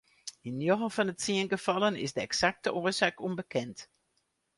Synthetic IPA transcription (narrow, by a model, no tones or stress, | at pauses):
inːjoɣəfɔnətsiənɡəfɑlənɪ̰sdəɛksak̚təʔoəsaːkumbəkʰɛnt